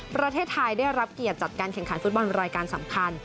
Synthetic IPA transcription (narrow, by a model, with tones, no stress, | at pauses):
pɾa˧t̪ʰeː˥˩t̪ʰːa˧jdaː˥˩jɾa˦˥p̚ki˨˩ət̪̚t͡ɕa˨˩t̪̚kaː˧nkʰɛ˨˩ŋkʰa˩˦nfu˦t̪̚bɔ˧nɾaː˧jkaː˧nsa˩˦mkʰa˧n